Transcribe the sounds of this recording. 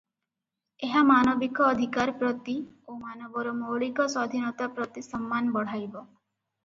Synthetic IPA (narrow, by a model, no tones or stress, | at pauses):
eɦamanɔbikɔːd̪ʱikaɾpɾɔt̪i | omanɔbɔɾɔmoɭikɔsɔd̪ʱinɔt̪apɾɔt̪isɔmːanbɔɽ̤ajbɔ